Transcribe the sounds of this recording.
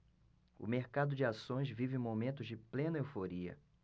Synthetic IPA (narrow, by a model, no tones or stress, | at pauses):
ʊ̰meɾkad̪ʊd͡ʒɪasõj̃zvivɪ̃momẽnt̪ʊzd͡ʒɪplẽnɐewfoɾiɐ̰